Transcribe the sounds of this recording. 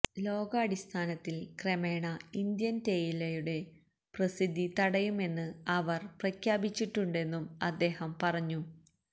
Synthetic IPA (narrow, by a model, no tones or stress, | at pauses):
lo̞ːɡɐːɽist̪ʰaːnɐt̪ːilkreme̞ːɳɐind̪jɐnt̪e̞jilɐjuɽe̞ | prɐsid̪ʱːit̪ɐɽɐjume̞nːɨɐʋɐrprɐkʰjaːbit͡ɕːiʈːuɳɖe̞nːumɐd̪ːe̞ːhɐmpɐrɐɲːu